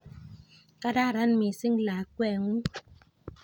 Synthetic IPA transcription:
ka˦da˦˨ɾa˦nmi˨si˦ŋlaː˨kwɛ˦˨ŋu˦

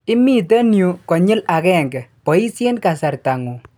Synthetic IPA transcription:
ɪ˦mi˦˨t̬e˦nju˨kɔ˨ɲɪ˦la˨kɛ˦˨ŋɡɛ˨pɔ˨i˦se˦nka˨sa˨ɾta˨ŋu˨

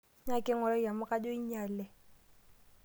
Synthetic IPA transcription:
ɲa˦kʼɪ˦ŋɔ˨lɔ˦˨ja˨mʊ˦kʼa˦d͡ʒo˦i˦ɲaː˨lɛ˨

